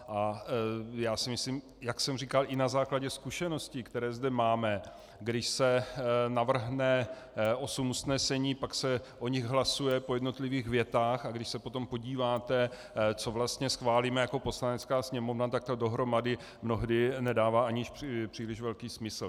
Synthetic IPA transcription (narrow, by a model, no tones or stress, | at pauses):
ʔa | jaːsɪmɪsliːm | jaksɛmrikalʔɪnazaːklaɟɛskuʃɛno̞scɪkt̪ɛɾɛːzdɛmaːmɛ | ɡdɪʃsɛnavr̩ɦnɛ | ʔo̞sumusnɛsɛɲiːpaksɛʔoɲɪɣɦlasujɛpo̞jɛdno̞t̪lɪviːɣvjɛt̪aːxaɡdɪʃsɛpo̞t̪o̞mpo̞ɟiːvaːt̪ɛ | t͡sovlast̪ɲɛsxvaːliːmɛjako̞po̞slanɛt͡skaːsɲɛmo̞vnat̪ak̚t̪ado̞ɦɾo̞madɪ | mno̞ɦdɪnɛdaːvaːʔaɲɪʃpr̝̥iːlɪʒvɛlkiːsmɪsl̩